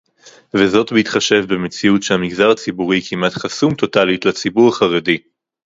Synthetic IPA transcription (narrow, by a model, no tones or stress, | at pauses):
vezo̞tbiitχaʃe̞vbemet͡siutʃehamiɡzaʁat͡sibuʁikʰimatχasumto̞talitlat͡sibuʁaχaʁedi